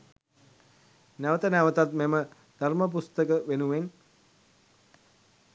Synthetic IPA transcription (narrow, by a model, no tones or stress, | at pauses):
næʋət̪ənæʋət̪at̪memə | d̪̥ʱarməp̬ust̪əkəʋenuʋen